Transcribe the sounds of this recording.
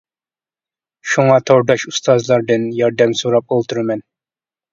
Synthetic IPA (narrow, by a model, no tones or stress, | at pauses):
ʃuŋɑt̪ʰowd̪ɑʃust̪ʰɑzlˠɑɾd̪ɨnjɑɾd̪ɛmsoɾɑp̚olˠt̪ʰuɾmɛn